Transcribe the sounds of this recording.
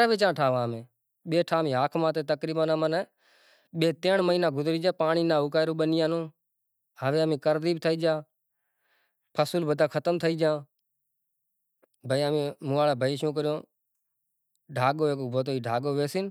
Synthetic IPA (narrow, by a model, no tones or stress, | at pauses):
aʋeːt͡ʃãːʈʰaːʋãːmẽː | ɓeːʈʰaːmĩːaːkʰmãːt̪eːt̪əkɾiːɓənəmənɛː | ɓeːt̪eːɳməiːnaːɡʊzɾiːd͡ʒãːpaːɳiːnaːukaːɪɾoːɓənijãːnõː | ɦəʋeːəmẽːkəɾd̪iːb̚t̪ʰəiːd͡ʒãː | pʰəsuːlbəd̪ãːkʰət̪əmt̪ʰəiːd͡ʒãː | bʱəiːəmẽːmũːaːlaːbʱəiːʃũːk̬əɾɪjõː | ɖʱaːɠoːeːkoːbʱoːt̪oːiːɖʱaːɠoːʋeːsiːn